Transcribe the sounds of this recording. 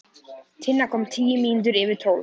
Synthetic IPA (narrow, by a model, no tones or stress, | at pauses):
t̪ʰɪnːakʰɔmt̪ʰiːəmiːnd̪̬ʏɾɛvɪt̪ʰɔl